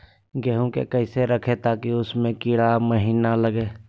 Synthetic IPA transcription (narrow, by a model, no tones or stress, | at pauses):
ɡɛɦũkḛkəɦɪseɾɐkʰet̪aːkiʊsmẽkiːɽaməɦiːnaləɡeː